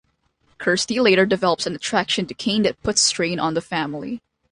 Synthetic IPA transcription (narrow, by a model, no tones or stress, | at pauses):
kʰɜ˞stileɪɾə˞dɨvɛlˠəpsɨ̃nɨtʰɹ̥ækʃɨ̃ntɨkʰẽɪ̃nðɨt̚pʰʊtstɹ̥ẽɪ̃nə̃nðəfæ̃ml̩ˠḭ